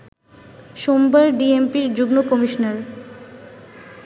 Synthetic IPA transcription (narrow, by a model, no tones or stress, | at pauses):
ʃombaɾɖiempiɾd͡ʑuɡnokɔmiʃonaɾ